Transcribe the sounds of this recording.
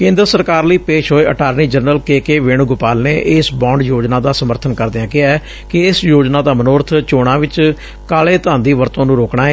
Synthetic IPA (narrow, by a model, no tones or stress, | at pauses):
kẽːnd̪ɾəsəɾkaːɾləiːpeːʃɦoːeːʔəʈaːɾniːd͡ʒəɾnəlkeːkeːʋɪɳɡʊpaːlneːʔɪsbãːɳɖjoːd͡ʒnãːd̪aːsəməɾt̪ʰənkəɾd̪eãːkɪa | kɪɪsjoːd͡ʒnaːd̪aːmənoːɾt̪ʰt͡ʃoːɽ̃ãːʋɪt͡ʃ | kaːleːt̪ãːnd̪iːʋəɾt̪õːnũːɾoːkɳ̃aːeː